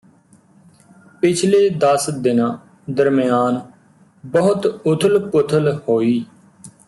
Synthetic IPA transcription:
pɪt͡ʃʰleːd̪əsd̪ɪnãː | d̪əɾmɪjaːn | bəɦʊt̪ʊt̪ʰəlpʊt̪ʰəlhoːiː

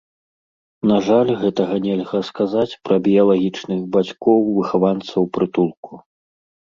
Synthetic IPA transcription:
naʐalʲɣɛt̪ɐɣɐnʲɛlʲɣɐskazat͡sʲpɾɐbʲiɐlˠaɣʲit͡ʂnɨɣbat͡sʲkɔwvɨxavant̪sɐwpɾɨt̪ulˠku

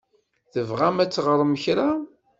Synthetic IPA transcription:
θəvʁæmæt͡sːʁəɾˤəməçɾa

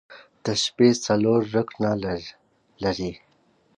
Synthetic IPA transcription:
d̪̥əʃpesɐloɾːəkna | laɾi

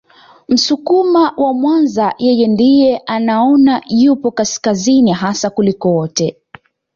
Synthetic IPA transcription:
m̩sukumawʔamwanzajʔɛjɛndijɛʔanaɔnajupɔkaskaziniɦasakulikɔwɔtɛ

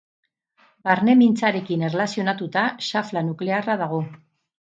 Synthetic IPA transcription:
baɾne̞mint͡saɾe̞kinerlasio̞nat̪ut̪aʃaflanukle̞arað̞aɣ̞o̞

